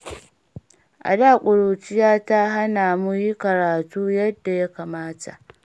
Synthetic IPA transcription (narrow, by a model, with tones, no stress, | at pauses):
ʔa̰˨daː˦˨kʷʼʊ˨ɽoː˨t͡ʃɪ˦jaː˦ta˦ɦa˦naː˨mu˦ji˦kɐ˨ɾaː˨tuː˦jɐ˦dːa˨ja˦kaː˨maː˦tʰa̰˨ʔ